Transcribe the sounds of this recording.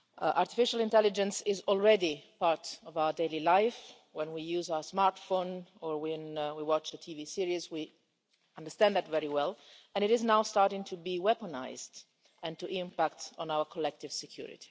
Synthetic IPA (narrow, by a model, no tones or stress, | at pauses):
ʔaɹtifɪʃalɪ̃ntɛlɪd͡ʒɛ̃nsɪzɔlˠɹɛdipaɹtɔvawədeɪlilaɪf | wɛ̃nwijuːzawə˞smaɹtfõʊ̃nɔɹwɛ̃nwiwɑt͡ʃətʰivisiɹizwi | ʌ̃ndə˞st̪æ̃ndðætvɛɹiwɛlɛ̃nɪɾɪznaʊstɑɹtɪ̃ŋtʰubiwɛpɔna̰ɪzd | ɛ̃ntuʔɪ̃mpæktɔ̃nawə˞kʰɔlɛk̚tɪv̥sɛkʰj̥ṵːɹɪ̰ti̥